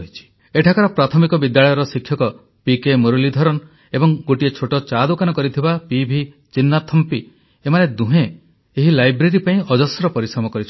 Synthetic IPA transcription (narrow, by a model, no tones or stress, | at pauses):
ɦit͡ʃʰi̥ | eʈʰakaɾɔpɾat̪ʰɔmikɔbid̪jaɭɔjɔɾɔsikʰːjɔkɔ | pikemoɾulid̪ʱɔɾɔn | ebɔŋɡoʈiet͡ʃʰoʈɔt͡ʃad̪ukanɔkɔɾit̪ʰibapibʱi | t͡ʃinːat̪ʰːɔmpi | emaned̪uɦe | eɦilajbɾeɾipaĩɔd͡ʒɔsɾɔpɔɾisɔmɔkɔɾit͡ʃʰ